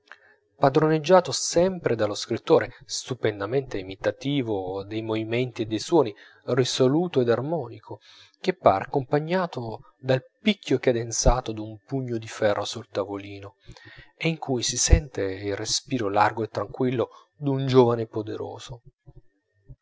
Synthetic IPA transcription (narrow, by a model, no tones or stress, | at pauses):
pad̪ɾoned͡ʒːaːt̪osɛmpɾʔed̪aloskɾit̪ːoːɾest̪upɛnd̪ament̪eimit̪at̪iːvod̪ejmovimɛnt̪ied̪ːejswɔːni | risoluːt̪oed̪armɔːnikʰo | kepːa̰ːɾ̰akːompaɲːaːt̪o | d̪alpikʰːokad̪ent̪saːt̪od̪umpuɲːod̪ifɛrːosult̪avoliːnoeiŋkʰujsisɛnt̪eilrespiːɾolarɡoet̪ːɾaŋkwilːo | d̪und͡ʒoːvanepod̪eɾo̰ːz̥o